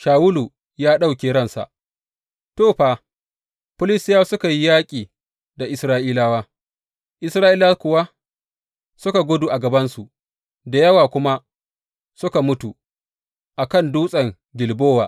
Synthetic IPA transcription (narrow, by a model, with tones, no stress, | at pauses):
ʃaː˨wʊ˦lu˨ | jaː˦ɗa˦˨wkʲeː˨ɾɐ˦nsa̰˨ʔ | toː˦˨ɸaː˨ | ɸʊ˦lɪ˦stɪ˦jaː˦sʊ˦ka˨ji˦jaː˦kʲʼiː˨ | da˨ʔɪ˨sɾaː˦ʔiː˦laː˦waː˦ | ʔɪ˨sɾaː˦ʔiː˦la˦kʷʊ˨wa˦ | sʊ˦ka˨ɡʷʊ˦duː˨ʔa˨ɡɐ˨bɐ˦nsu˨ | da˨jɐ˦waː˨kʷʊ˦ma˦ | sʊ˦ka˨mʊ˦tu˨ | ʔa˨kɐ˦˨nduː˦sʼɐ˨ŋ | ɡʲɪ˨lboː˦waː˨